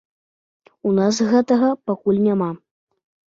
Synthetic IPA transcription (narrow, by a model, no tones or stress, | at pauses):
unas̬ɣɛt̪ɐɣɐpakulʲnʲama